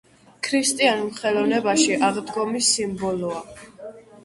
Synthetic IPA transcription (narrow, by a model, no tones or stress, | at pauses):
kʰɾist̪ʼianlχɛlɔvnɛbaʃiʔaʁd̪ɡɔmisːimbɔlɔa